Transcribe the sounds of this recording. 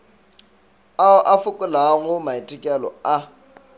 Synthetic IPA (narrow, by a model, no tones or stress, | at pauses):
aʊʔafʊkʼʊlaɣʊmaitʼɪkʼɛlɔ̰a